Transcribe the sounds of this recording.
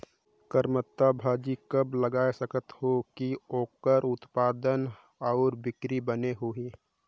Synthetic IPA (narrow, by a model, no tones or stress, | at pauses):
kəɾmət̪ːabʱaːd͡ʒikəbləɡaːesəkət̪hokioːkəɾʊt̪paːd̪ən | ɔːɾbɪkɾibəneɦoiː